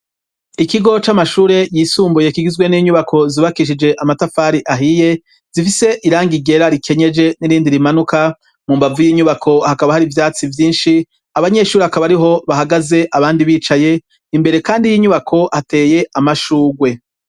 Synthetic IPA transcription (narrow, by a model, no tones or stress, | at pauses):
ikiɡo̞t͡ʃamaʃuːɾe̞jisuːmbujekiɡizɡweniːɲuβakʰo̞ziβakiʃ̬id͡ʒe̞ʔamatafaːɾiʔaɦije̞ | z̥ifise̞ʔiɾaːŋɡiɡe̞ɾaɾikʰe̞ɲe̞d͡ʒe̞niɾiːndiɾimanuka | mumbavujiːɲuβakʰo̞hakaβahaɾivjaːt͡sivjiːnʃi | aβaɲe̞ʃuːɾeakaβaɾiɦo̞βaɦaɡaze̞ʔaβaːndiβiːt͡ʃaje̞ | imbe̞ɾe̞kaːndijiːɲuβakʰo̞hate̞ːje̞ʔamaʃuːɡwe̞